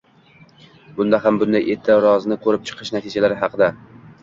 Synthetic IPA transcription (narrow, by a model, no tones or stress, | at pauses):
bʊnd̪aɦambʊnd̪ajʔet̪ʰːaɾɒznɪkʰɵɾɪp̚t͡ʃʰɨ̥qʰɨʃnat̪ʰɪd͡ʒalaɾɪɦɑqʰɨd̪a